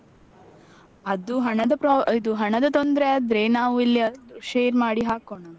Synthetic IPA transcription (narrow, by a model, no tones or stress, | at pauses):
ɐd̪uɦɐɳɐd̪ɐpɾid̪uɦɐɳɐd̪ɐt̪ond̪ɾeɐd̪ɾeːnaːʋuilːiɐd̪uʃeːɾmaːɽiɦaːkoɳɐ